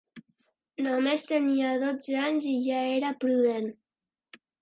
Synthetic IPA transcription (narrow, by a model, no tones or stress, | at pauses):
nomest̪əniaðod͡zeaɲziʒaeɾapɾuðen